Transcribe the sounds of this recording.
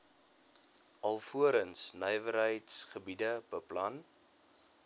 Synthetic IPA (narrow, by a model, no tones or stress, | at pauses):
ʔɐlˠfuəɾənsnœjvəɾɦəjtsχəbidəb̥əplɐn